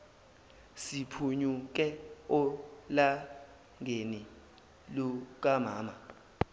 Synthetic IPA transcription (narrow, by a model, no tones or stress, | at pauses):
sipʰuɲuk̬ʼɛɔla | ŋeni | luk̬ʼamaːma